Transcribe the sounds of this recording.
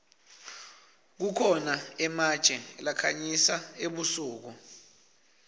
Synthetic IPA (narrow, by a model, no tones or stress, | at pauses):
k̬ukʰɔnaɛmad̥ʒ̥ʱɛlakʰaɲisaeɓusuːk̬u